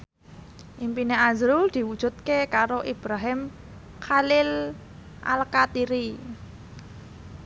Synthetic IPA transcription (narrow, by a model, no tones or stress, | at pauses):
ʔimpineazɾuld̪̥i̤wud̥ʒ̥ṳt̪̚kekaɾoʔib̥ɾaɦɪm | kalɪl | ʔa̰lkat̪iɾi